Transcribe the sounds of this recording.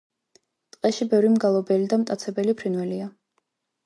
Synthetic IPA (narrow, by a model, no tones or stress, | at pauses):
t̪ʼqʼɛʃibɛvɾimɡalˠɔbɛlid̪amt̪ʼat̪sʰɛbɛlipʰɾinwɛlia